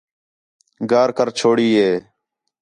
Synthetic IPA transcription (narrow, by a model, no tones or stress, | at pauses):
ɡaːɾkəɾt͡ʃʰoːɽiːɦeː